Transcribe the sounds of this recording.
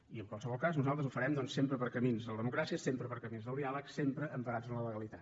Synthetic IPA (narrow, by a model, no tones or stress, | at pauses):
iəŋkwalˠsəβɔlˠkaznuzalˠt̪ɾəzufəɾɛmd̪ɔnsempɾəpəɾkəminzðələðəmukɾasiəsempɾəpəɾkəminðəlˠd̪ialˠəksempɾəʔəmpəɾad͡zənlələɣəlit̪at̪